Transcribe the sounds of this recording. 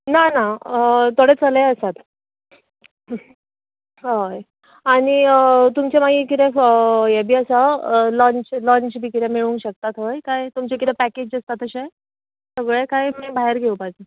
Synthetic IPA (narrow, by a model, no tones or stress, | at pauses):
nanat̪oɽet͡səleəsat̪ | ɦoj | aɽ̃it̪umt͡ɕemaɡikit̪eəjebʱiːəsalɔ̃ɲt͡ɕlɔɲt͡ɕbʱikit̪ɛemiɭũnɕək̚t̪at̪ɦojkajt̪umt͡ɕekit̪ɛpæked͡ʑəst̪at̪əɕe | səɡɭekajmiːbaɦeɾɡʱewpad͡ze